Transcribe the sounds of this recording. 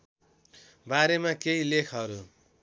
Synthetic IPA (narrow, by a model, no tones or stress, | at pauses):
baɾemakeilekʰɦʌɾu